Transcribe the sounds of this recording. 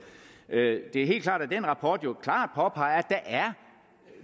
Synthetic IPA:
d̥e̝æɐɦe̝̰ːlkʰlɑ̰̈ːd̥æd̥enʁɑ̈pʰɒːd̥jo̝kʰlɑ̰̈ːd̥̚pʰɒ̽pʰɑ̈ɪæ̥æʔæɐ

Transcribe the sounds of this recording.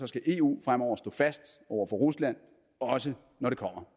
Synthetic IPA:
sɒ̽sɡ̥æʔe̝ːṵːfʁam̰ɒʊ̰ɐsd̥ɔ̰̽ːfæsd̥ | ɒʊɐfɒʁuslæn̰ | ɒ̽sə | nɒɾ̥e̝kʰɒ̽m̰ɐ

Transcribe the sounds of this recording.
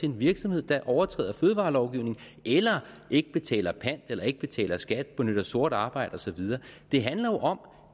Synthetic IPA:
e̝e̝nʋiɐɡ̥sɒmhe̝ð̞̰ˠd̥ɑʔɒʊɐt͡sʰʁɛ̰ːð̰ˠɐføːð̞ˠʋɑ̈ːlɒʊɡ̥iʊne̝ŋ | ʔelɐ | ʔe̝ɡ̥əb̥e̝t͡sʰɛ̰ːlɐpʰæn̰d̥elɐe̝ɡ̥̚b̥e̝t͡sʰɛ̰ːlɐsɡ̥æd̥̚b̥e̝nøɾ̥ɐso̝ɐ̰ɾ̥ɑ̈ːb̥ɑ̈ɪ̰d̥ɒ̽sɒ̽ʋið̞ˠɐːd̥e̝ɦænlɐjo̝ʔɒ̽m

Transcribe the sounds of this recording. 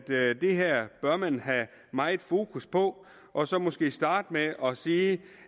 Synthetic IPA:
d̥d̥e̝ɦæɐ̰b̥ɶɐmænɦæ | mɑ̈ɪe̝d̥fo̝ːkʰuspʰɒ̽ | ʔɒ̽sɒ̽mɒ̽sɡ̥e̝̰ːsd̥ɑ̈ːd̥meɒ̽siː

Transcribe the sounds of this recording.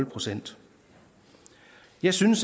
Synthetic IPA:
lpʰʁo̝sen̰d̥ | jɑ̈ɪsynəs

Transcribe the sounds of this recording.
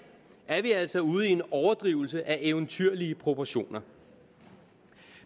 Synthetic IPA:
ʔæɐʋiæl̰sɒ̽uːð̞̩ˠie̝nɒʊɐd̥ʁiːʊl̩səʔæʔeʊnt͡sʰyɐ̰liəpʰʁo̝pʰɒɕo̝̰ːnɐ

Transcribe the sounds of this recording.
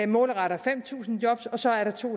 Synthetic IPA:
mɔ̽ːləʁɑɾɐfem̰t͡sʰṵːsn̩djɒ̽b̥sɒ̽sɒ̽æɐɾɑ̈t͡sʰo̝̰ː

